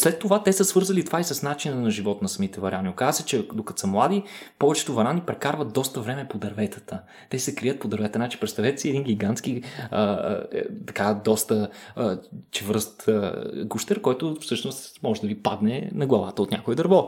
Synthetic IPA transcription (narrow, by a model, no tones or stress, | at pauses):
slɛt̪ːovat̪ɛsəsvɤɾzɐlit̪ovaisəsnat͡ʃinənɐʒivɔt̪nɐsɐmit̪ɛvɐɾʲʔaniokazəsɛt͡ʃɛd̪okɐt̪səmlˠad̪ipɔvɛt͡ʃɛ̥t̪ʊvɐɾanipɾɛkaɾvət̪̚d̪ɔst̪əvɾɛmɛpod̪ɐɾvɛt̪ə̥t̪ə | t̪ɛsɛkɾiət̪̚pod̪ɐɾvɛt̪ənat͡ʃi̥pɾɛt̪st̪avɛt̪siɛd̪inɡʲiɡant̪sk̟iə̰ | t̪ɐkad̪ɔst̪ə | t͡ʃɛvɤɾst̪əɡuʃt̪ɛɾkɔjt̪ʊfsɤʃnost̪mɔʒɛd̪ɐvipad̪nɛnɐɡlˠɐvat̪əot̪nʲakoɛd̪ɐɾvɔ